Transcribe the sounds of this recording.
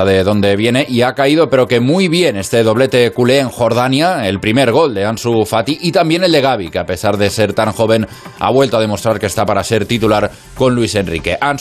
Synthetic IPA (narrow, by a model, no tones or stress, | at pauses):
aðe̞ðo̞nd̪e̞β̞jene̞ʔiakaið̞ope̞ɾoke̞mujβ̞jene̞st̪e̞ðo̞β̞let̪e̞kuleːŋxo̞ɾð̞anjaelpɾimeɾɣ̞o̞ld̪e̞ansufat̪iʔit̪ambje̞ne̞ld̪e̞ɣ̞aβ̞ikeape̞saɾðe̞se̞ɾt̪aŋxo̞β̞e̞n | a̰β̞we̞lt̪oað̞emo̞st̪ɾaɾkest̪apaɾaseɾt̪it̪ulaɾ | ko̞nluisenrḭke̞̰ʔan